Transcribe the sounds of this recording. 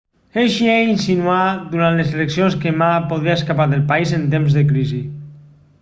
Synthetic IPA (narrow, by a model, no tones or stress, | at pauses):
eʃiɛinsinuad̪uɾant̪lezeleksionskemapoðɾiaeskapaɾðəlˠpaizent̪emzðəkɾizi